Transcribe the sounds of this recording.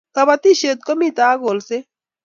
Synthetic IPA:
kɐβɐt̪i˦ʃe˨t̪̚ko˦mi˦t̪aː˦ɡo˨lse˦

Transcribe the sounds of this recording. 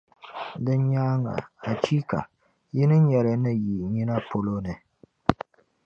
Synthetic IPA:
dɨ˦nɲa˦ŋa̰˨a˨t͡ʃi˦ka̰˨ | ji˦nɨ˦ɲɛ˨ɾɨ˨nɨ˦ji˨ɲi˦na˦po˦lo˦nɨ˨

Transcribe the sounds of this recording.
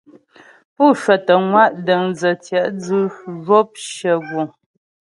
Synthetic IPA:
pu˦˨ʃwɛ˨tə˨ŋwa˦˨ʔdə˨ŋzə˨tjɛ˨ʔd͡zɯɨ˦ʒo˦p̚ʃə˨ɡwo˨

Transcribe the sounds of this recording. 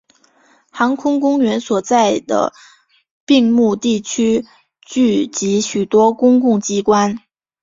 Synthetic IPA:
xɑ˧˥ŋkʰʊ˥ŋkʊ˥ŋɥɛ˧˥nswɔ˨˩t͡sa˥˩ɪd̪ə̰˩ | pi˥˧ŋmu˥˧t̪i˥˩t͡ɕʰy˥ | t͡ɕy˥˩t͡ɕi˧˥ɕy˨˩t̪wɔ˥kʊ˥ŋkʊ˥˩ŋt͡ɕi˥kwa˥n

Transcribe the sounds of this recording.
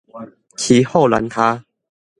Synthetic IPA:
kʰi˨˦ho˥˨la̰˨˦nt̪ʰa˦

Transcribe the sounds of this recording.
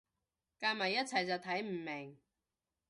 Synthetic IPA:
kaː˧mɐ˨˩jːɐ˥t̚t͡sʰɐ˨jt͡sɐ˨wt̪ʰɐ˨˥jm̩˨˩mɪ˨˩ŋ

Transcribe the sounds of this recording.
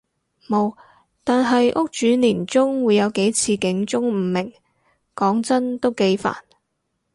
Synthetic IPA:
mo˨˧w | t̪aː˨nɦɐ˨jʔʊ˥k̚t͡ʃyː˨˥niː˨˩nt͡sʊ˥ŋwuː˨˧jɐ˨˧wke˨˥jt͡sʰiː˧kɪ˨˥ŋt͡sʊ˥ŋm̩˨˩mɪ˨˩ŋ | kɔː˨˥ŋt͡sɐ˥nt̪o˥wke˨˥jfa̰ː˨˩n

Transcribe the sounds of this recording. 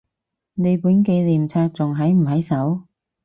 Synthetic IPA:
ne˨˧jpuː˨˥nke˧jliː˨˩mt͡sʰaː˧k̚t͡sʊ˨ŋɦɐ˨˥jm̩˨˩hɐ˨˥jsɐ˨˥w

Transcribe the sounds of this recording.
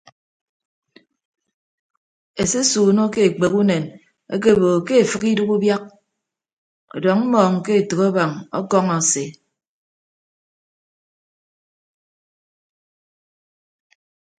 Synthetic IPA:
e˨se˦suː˨no˦ke˦e˨k͡pe˨ku˦ne˨n | ḛ˦k̬e˦˨bo˨ke˦e˨fɨ˦ki˦du˦ku˦bja˦k̚ | ɔ̰˨dɔ˨ŋm̩˦mɔː˨ŋ̩˨ke˦e˨tɨ˨ko˦ba˨ŋɔ̰˦kɔ˦ŋa˨se˨

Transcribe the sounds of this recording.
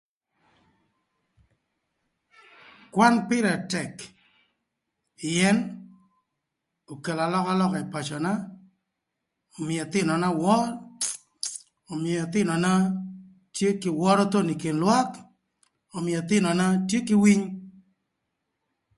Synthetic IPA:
kwa˦npɪ˦ɾa˨tɛ˨k | ɪɛ˦n | o˨ke˨la˨lɔ˦ka˦lɔ˦ka˨i˨pa˨t͡ʃɔ˨na˦ | o˨mɪjɛ˨t̪ɪ˦nɔ˨na˦wɔ˦ɾ | o˨mɪɛ˨ɛ˨t̪ɪ˦nɔ˨na˦ | tje˦kɪ˨wɔ˦ɾɔ˦t̪o˦ni˨kɪ˨nlwa˦k | o˨mɪ˨ɛ˨t̪ɪ˦nɔ˨na˦tje˦kɪ˦wi˦ɲ

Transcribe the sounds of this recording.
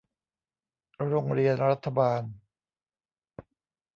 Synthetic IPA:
ɾo˧ŋɾi˧ənɾa˦˥t̪ʰːa˧baː˧n

